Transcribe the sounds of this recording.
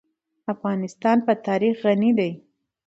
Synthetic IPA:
afɣɑnɪst̪ɑnpət̪ɑɾixɣanid̪aj

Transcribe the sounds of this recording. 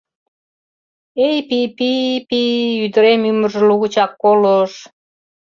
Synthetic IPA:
ejpipipiyd̪ə̆ɾemymə̆rʒə̆luɣut͡ɕɑkːoloʃ

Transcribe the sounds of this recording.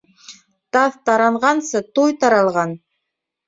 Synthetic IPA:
t̪ɑθt̪ɑɾɑɴʁɑnsɤt̪ujt̪ɑɾɑlˠʁɑn

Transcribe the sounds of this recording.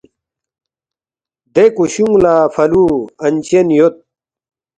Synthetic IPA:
d̪ekuɕuŋɡlaːfɐluːɐnt͡ɕenjot̪̚

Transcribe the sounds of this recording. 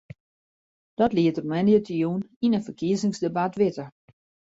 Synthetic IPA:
d̥ɔtliətərmɛnjətəjuninənfərkiəzɪŋsdebatʋɪtə

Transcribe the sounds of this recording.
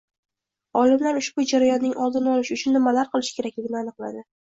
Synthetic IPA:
ɒlɪmlaɾʊʃb̥ʊd͡ʒaɾajɒnːɪŋɒlˠd̪ɪnɒlˠɪʃʊt͡ʃʰʊnːɪmːalaɾqɨlˠɪʃkʲʰe̞ɾakʲlɪɡʲɪnɪanɨqlˠa̰d̪ɪ

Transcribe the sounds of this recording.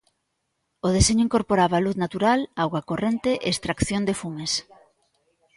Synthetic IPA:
oð̞eseɲʊiŋkoɾpoɾaβaːluθnat̪uɾalawɣwakorent̪eʔeːst̪ɾakθjond̪efumes

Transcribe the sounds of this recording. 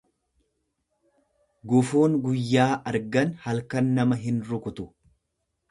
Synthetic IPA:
ɡʊfuːŋɡʊjːaːʔɐɾɡɐnhɐlkɐnːɐmɐɦɪnɾʊkʊt̪ʊ̥

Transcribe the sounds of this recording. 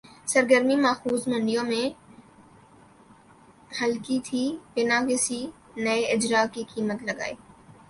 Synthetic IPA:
sɐɾɡəɾmimaːxuːzmɐ̃ɳɖijõmẽ | hɐlkit̪ʰiːpɪnakɪsi | nɐeɪd͡ʒɾaːkikiːmət̪lɐɡa̰ːḛː

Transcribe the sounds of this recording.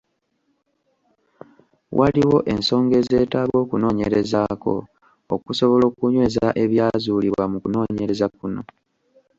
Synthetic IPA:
wʔaliwo̞ʔe̞nso̞ːŋɡe̞ːze̞ːtaːβwo̞ːkuno̞ːɲeɾe̞zaːko̞̰ | o̰kuso̞βo̞lo̞ːkuɲwe̞ːzaʔe̞βjaːzuːliβwwamukuno̞ːɲe̞ɾe̞zakuno̞̰

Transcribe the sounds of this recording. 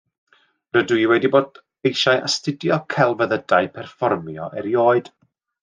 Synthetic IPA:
rədwiwɛdiboːd | ejʃajʔa̰stɪdjɔkʰɛlˠvəðədaɨpʰɛrfɔrmjɔʔɛɾjoːɨd̥

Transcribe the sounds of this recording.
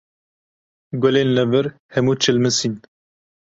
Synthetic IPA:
ɡʷʊleːnlɛvɨɾhɛmuːt͡ʃʰɨlmɨsin

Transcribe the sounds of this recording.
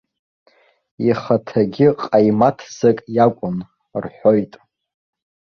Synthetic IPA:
iχatʰaɡʲɪqʼajmatʰzɨkʼjakʷʼʊn | rħʷo̞jtʼ

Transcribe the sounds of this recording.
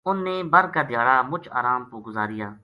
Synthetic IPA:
ʊnːeːbəɾkaːd̪ɪjaːɽaːmʊt͡ʃʰa̰ːɾaːmpoːɡʊzaːɾɪjaː

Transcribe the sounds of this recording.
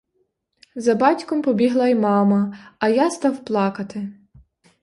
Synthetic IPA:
zɐbɑtʲkɔmpɔbʲiɦlˠɐimɑmɐɐjast̪ɑwplˠɑkɐt̪ɪ

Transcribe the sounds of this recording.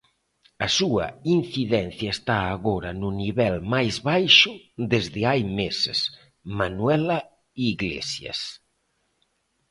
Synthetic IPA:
ɐsuɐ̰inθiðɛn̟θjɐest̪aːɣoɾɐnuniβɛlmajzβajʃʊd̪ezðɪajmesḛs | manwɛla | iɣlḛsjɐ̰s

